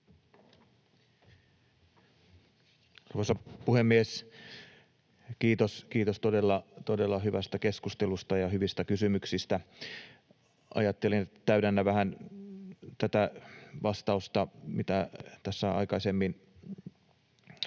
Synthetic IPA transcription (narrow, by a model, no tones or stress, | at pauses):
ɑrʋosɑpuhemːies | kiːt̪oskiːt̪ost̪odelːɑt̪ode̞lːɑɦyʋæst̪æke̞skust̪elust̪ɑjɑhyʋist̪ækysymyksist̪æ | ʔɑ̰jɑt̪ːelinæt̪æydænːæʋæhæn | t̪æt̪æʋɑst̪ɑust̪ɑmit̪æt̪æsːæɑ̰ikɑsemːin